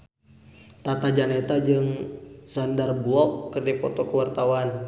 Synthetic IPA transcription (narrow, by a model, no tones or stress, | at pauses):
t̪at̪ad͡ʒanet̪ad͡ʒɨŋsandarbuɔkːɨrdipɔt̪ɔkəwart̪awan